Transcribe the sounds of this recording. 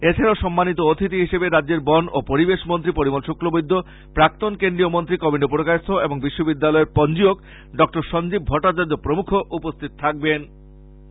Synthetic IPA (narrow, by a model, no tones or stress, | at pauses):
et͡ɕʰeɾaoʃɔmːanit̪oot̪ʰit̪̬iɦiʃebeɾadːeɾbɔnopoɾibeʃmont̪ɾipoɾimolʃoklobojd̪ʱːo | pɾak̚t̪onkend̪ɾijomont̪ɾikɔbiɳɖopuɾokast̪ʰoeboŋbiʃːobid̪ːalɔeɾpɔnd͡ʑiok | ɖɔk̚ʈoɾʃɔnd͡ʑib̚bʱɔʈːat͡ɕaɾd͡ʑopɾomukʰoʔupost̪ʰit̪ot̪ʰak̚ben